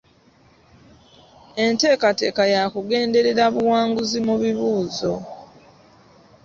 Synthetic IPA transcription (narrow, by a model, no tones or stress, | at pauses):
e̞nte̞ːkate̞ːkajakuɡe̞ːnde̞ɾe̞ɾaβuwaːŋɡuzimuβiβuːzo̞